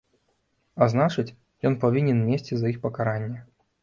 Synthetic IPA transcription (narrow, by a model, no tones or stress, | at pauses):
aznat͡ʂɨt͡sʲ | jɔnpavʲinʲɛnmʲesʲt͡sʲizɐixpɐkaɾanʲːɛ